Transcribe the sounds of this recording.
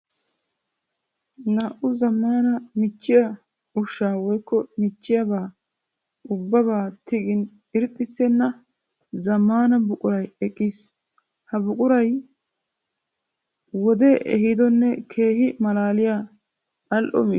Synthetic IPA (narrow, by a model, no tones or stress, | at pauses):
naʔʊzɐmːaːnɐmɪt͡ʃːɪjɐ | ʊʃːaːwɔjkːɔmɪt͡ʃːɪjɐbaː | ʊbːɐbaːt̪ɪɡɪn | ɪɾɪt̪ʼːɪsːɛnːɐ | zɐmːaːnɐbʊkʼʊɾɐjɛkʼːis | hɐbʊkʼʊɾɐj | wɔd̪eːʔɛ̰hɪd̪ɔnːɛkʰe̞ːhɪmɐlaːlɪja | ʔɐlʔɔ̰m